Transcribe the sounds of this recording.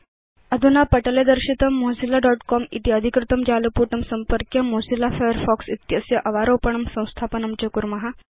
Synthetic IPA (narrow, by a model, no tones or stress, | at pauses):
əd̪ʱunapəʈəled̪əɾɕit̪əmːosilaɖɔʈkɔmḭt̪iəd̪ʱikɾɪt̪əmd͡ʑalupuʈəmsəmpəɾkjəmosilafajəɾfɔksit̪jəsjəʔɐʋaɾopəɳ̃əmsə̃w̃st̪ʰapənəmt͡ɕɐkuɾmɐɦa